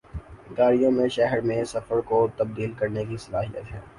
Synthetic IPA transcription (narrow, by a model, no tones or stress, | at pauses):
ɡaːɾijõmẽʃɛɦəɾmẽsɐfəɾkot̪ɐb̚d̪iːlkɐɾnekisɐlaːɦijət̪ɦɛː